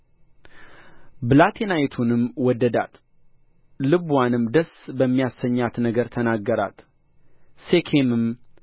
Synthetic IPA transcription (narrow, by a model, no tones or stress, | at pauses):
blat̪ʰenajt̪ʰunɨmwɔd̪ːəd̪a̰t̪ | lɨβwanɨmd̪əsbəmːijasːəɲːat̪nəɡəɾt̪ʰənaɡːəɾa̰t̪ | sekʰemɨm